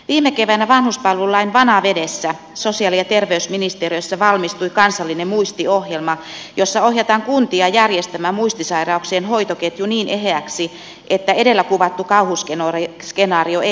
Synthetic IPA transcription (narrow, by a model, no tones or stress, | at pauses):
ʋiːmːekeʋænæʋɑnhuspɑlːulːɑinʋɑnɑʋedesːæ | sosiɑliɑt̪erʋeysminist̪eriøsːɑʋɑlmist̪uikɑnsɑlːinemuist̪iohjelmɑjosːɑohjɑt̪ɑŋkunt̪iɑjærjest̪æmæmuist̪isɑirɑukseːnhoit̪oket̪juniːnʔeɦeæksi | ʔet̪ːæedelːækuʋɑt̪ːukɑuhusken | skenɑːrioe